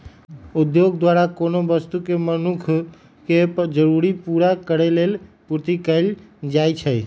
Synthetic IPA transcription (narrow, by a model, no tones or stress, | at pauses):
ud̪joɡd̪waɾakonobəst̪ukemənukʰ | ked͡ʒəɾuɾipuɾakəɾelelpuɾt̪ikəɪld͡ʒajt͡ʃʰə